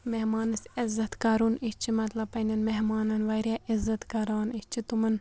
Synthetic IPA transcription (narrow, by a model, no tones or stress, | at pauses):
mehmɑːnɨsɪzɐt̪kɐɾunit͡ʃʰimɐt̪lɐbpːɐnɐnmeɦmaːnɐnʋɐɾjaːʔizːɐt̪kɐɾaːnit͡ʃʰit̪umɐn